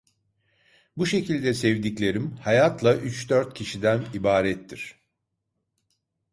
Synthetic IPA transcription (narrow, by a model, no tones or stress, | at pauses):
buʃe̞cʰilʲd̪ɛsɛvd̪iclʲe̞ɾimhajat̪lˠaʔyt͡ʃd̪øɾt̪̚cʰiʃid̪ænibaːɾɛt̪ʰːiɾ̝̥